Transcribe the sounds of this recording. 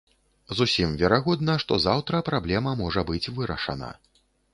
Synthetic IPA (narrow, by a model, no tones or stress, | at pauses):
zusʲimvʲɛɾaɣɔd̪̚nɐʂt̪ɔzawt̪ɾɐpɾablʲɛmɐmɔʐɐbɨt͡sʲvɨɾɐ̰ʂɐ̰nɐ̰